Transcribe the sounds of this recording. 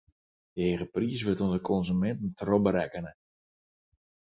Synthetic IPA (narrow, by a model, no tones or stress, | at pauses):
d̥əeːχəpriəs̬ʋøtonzəkʰɔnzymɛntn̩trobəɾɛkənə